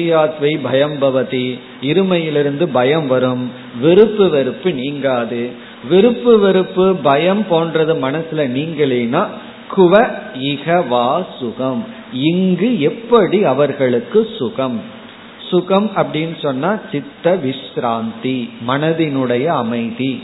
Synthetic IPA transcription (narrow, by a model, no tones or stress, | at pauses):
jaːt̪ʋɐɪbʱɐjɐmbɐʋɐt̪i | ɪɾɯmɐjɪlɪɾɯnd̪ɯbɐjɐmʋɐɾɯm | ʋɪɾɯpːɯʋɛɾɯpːɯniːŋɡaːðɯ | ʋɪɾɯpːɯʋɪɾɯpːɯbɐjɐmpoːnrɐðɯmɐnɐsɯlɐniːŋɡɐɭeːnaː | kʊʋɐɪɣɐʋaːsʊɣɐm | ɪŋɡɯɛpːɐɽiɐʋɐɾɣɐɭɯkːɯsʊɣɐm | sʊɣɐmɐpːɐɽɪnːɯsɔnːaːt͡ʃɪt̪ːɐʋɪʂɾaːnt̪imɐnɐðɪnɯɽɐjɐːmɐɪði